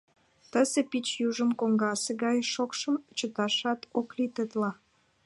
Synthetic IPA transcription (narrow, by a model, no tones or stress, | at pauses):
t̪əsepit͡ɕjuʒəmkoŋɡɑseɣɑjʃokʃəmt͡ɕət̪ɑʃɑt̪oklit̪ət̪lɑ